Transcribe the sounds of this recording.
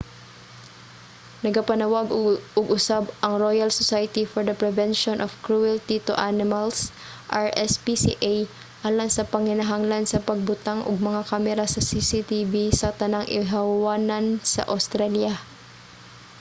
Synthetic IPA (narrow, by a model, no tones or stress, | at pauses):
nɐɡapɐnɐwaɡʊʊɡʊsabʔɐŋɾojalsosajt̪ifɔɹd̪ɐpɾɛvɛnʃonʔɔfkɹuɛlt̪it̪o̰ʔanɪmals | ʔaɹʔɛspisḭʔaj | ʔaːlɐŋsɐpɐŋhɪnaɦaŋlansɐpɐɡ̚bʊt̪aŋʔoɡ̚mɐŋakamɛɾasɐsisit̪ivisɐt̪ɐnaŋʔɪ̰ɦawaːnansɐ̰ʔa̰wst̪ɾalja